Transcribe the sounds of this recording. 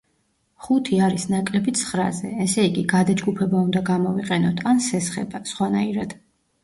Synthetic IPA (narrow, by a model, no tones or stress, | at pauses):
χut̪ʰiaɾisnakʼlɛbit̪sʰχɾa̰zɛɛsɛiɡiɡad̪ad͡ʒɡupʰɛbaund̪aɡamɔviqʼɛnɔt̪ʰansɛsχɛ̰basχwanaiɾad̪̥